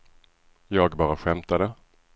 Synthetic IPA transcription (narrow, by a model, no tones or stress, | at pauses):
jɑːɡbɑːɾaɧɛmt̪ad̪ə